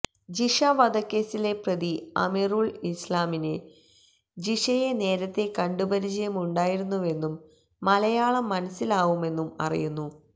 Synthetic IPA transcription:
d͡ʑiʂɐʋɐd̪ɐkːe̞ːsile̞prɐd̪iɐ̰miruːɭislaːmine | d͡ʑiʂɐjene̞ːɾɐt̪ːe̞kɐɳɖubɐɾid͡ʑɐjɐmuɳɖaːjiɾunːuʋe̞nːumː | ɐlɐjaːɭɐmːɐnɐsːilaːʋume̞nːumɐ̰rḭjunːu

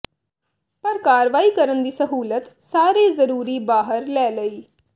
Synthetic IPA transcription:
pəɾkaːɾʋaːiːkəɾənd̪iːsəɦuːlət̪saːɾeːzəɾuːɾiːbaːɦəɾlɛːləiː

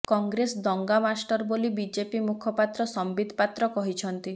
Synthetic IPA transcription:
kɔŋɡɾesd̪ɔŋɡamasʈɔɾbolibid͡ʒepimukʰɔpat̪ɾɔsɔmbid̪ʱpat̪ɾɔkɔɦit͡ʃʰɔnt̪i

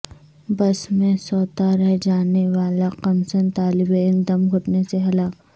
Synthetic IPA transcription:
bɐsmẽsɔːt̪aɾɛɦd͡ʒaːneʋaːlaqɐmsənt̪aːlɪbeːnd̪ɐmɦʊʈneseɦɐlaːk

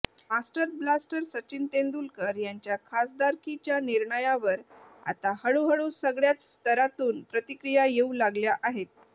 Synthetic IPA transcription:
masʈəɾblasʈəɾsət͡ɕint̪ẽnd̪ulkəɾjaɲt͡ɕjakʰasd̪aɾkit͡ɕjaniɾɳəjaʋəɾa̰t̪ahəɭuɦəɭusəɡɭjat͡sst̪əɾat̪uːnpɾət̪ikɾijajeulaɡljaʔaɦet̪̚

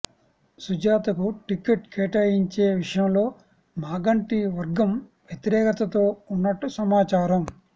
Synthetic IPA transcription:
sud͡ʒaːt̪ɐkuʈikeʈkʰɛːʈɐːjiɲt͡ʃeːʋiʂɐjɐmlo̞ː | maːɡɐɳʈiʋɐɾɡɐmʋjɐt̪iɾɛːkɐt̪ɐt̪o̞ːunːɐʈːusɐmaːt͡ʃaːɾɐm

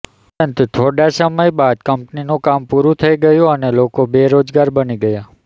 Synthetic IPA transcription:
pənt̪t̪ʰoɽasəməjbad̪kəmpninukampuɾũt̪ʰəiɡəjũənelokobeɾod͡ʒɡaɾbəniɡəja

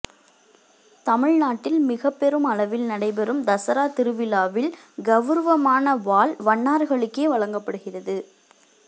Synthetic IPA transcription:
t̪ɐmɪɻnaːʈːɪlmɪɣɐpːɛɾɯmɐɭɐʋɪlnɐɽɐɪp̬ɛɾɯmd̪ɐsɐɾaːt̪ɪɾɯʋɪlaːʋɪl | ɡɐʋɯɾʋɐmaːnɐʋaːɭʋɐɳːaːɾɣɐɭɯkːeːʋɐɭɐŋɡɐpːɐɽɯɣɪrɐðɯ

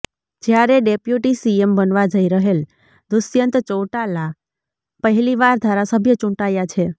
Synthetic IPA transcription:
d͡ʒjaɾeɖepjuʈisiembənʋad͡ʒəiɾəɦel | d̪ʊsjənt̪t͡ʃowʈala | pəɦɛliʋaɾd̪ʱaɾasəbʱjət͡ʃũʈajat͡ʃʰe

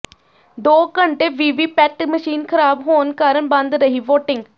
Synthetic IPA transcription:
d̪oːkəɳʈeːʋiːʋiːpɛːʈməʃiːnkʰəɾaːbɦoːnkaːɾəɳbə̃nd̪ɾəɦiːʋoːʈɪŋɡ

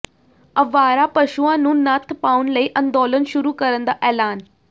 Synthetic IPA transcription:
əʋaːɾaːpəʃuãːnũːnət̪ʰpaːunləiːʔə̃nd̪oːlənʃʊɾuːkəɾənd̪aːʔɛːlaːn

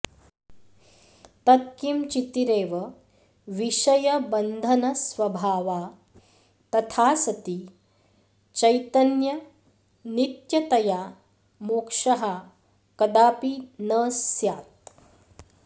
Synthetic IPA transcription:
t̪ɐt̪̚kimt͡ʃit̪iɾeːʋɐ | ʋiʃɐjɐbɐnd̪ʱɐnɐsʋɐbʱaːʋaː | t̪ɐt̪ʰaːsɐt̪i | t͡ʃɐjt̪ɐnjɐ | nit̪jɐt̪ɐjaː | moːkʂɐɦa | kɐd̪aːpinɐːsjaːt̪̚

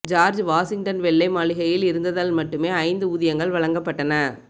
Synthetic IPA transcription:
d͡ʒaːɾd͡ʒʋaːsɪŋɡʈɐnʋɛɭːɐɪmaːɭɪɣɐjɪlɪɾɯnd̪ɐðaːlmɐʈːɯmeːɐɪnd̪ɯʊðɪjɐŋɡɐɭʋɐɻɐŋɡɐpːɐʈːɐnɐ

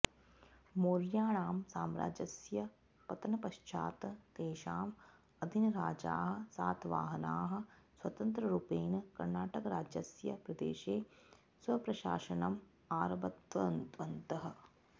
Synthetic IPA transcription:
moːɾjaːɳaːmsaːmɾa̰ːd͡ʒɐsjɐ | pɐt̪ɐnɐpɐʃt͡ʃʰa̰ːt̪keːʃaːm | ɐd̪ʱinɐɾaːd͡ʒa̰ːɦɐ̆saːt̪ʰʋa̰ːɦɐnaːɦɐ̆swɐt̪ɐnt̪ɾɐɾupeːnɐkɐɾnaːʈɐkɐɾaːd͡ʒjɐsjɐpɾɐd̪ḛːʃeː | swɐpɾɐʃa̰ːʃɐnɐm | aːɾɐbɐt̪ʋɐɐnt̪ʋɐnt̪ɐɦɐ̆

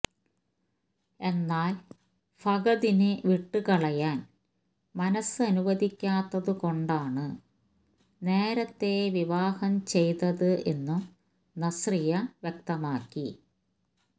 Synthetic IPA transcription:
e̞nːaːl | fʰɐɡɐðinɨʋiʈːɨkɐɭɐjaːn | mɐnɐsɨɐnuʋɐðʱikʲːaːt̪ːɐðɨko̞ɳɖaːɳɨ | ne̞ːɾɐt̪ːe̞ʋiʋaːhɐmt͡ɕe̞jt̪ɐðɨʔe̞nːum | nɐsrijɐʋjek̚t̪ɐmaːkːi

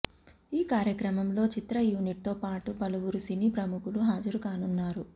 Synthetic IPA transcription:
iːkaːɾjɐkɾɐmɐmlo̞ːt͡ʃit̪ɾɐjuːniʈ̚t̪o̞ːpaːʈubɐluwuɾusinipɾɐmukuluɦaːd͡ʒɐɾukaːnunːaːɾu

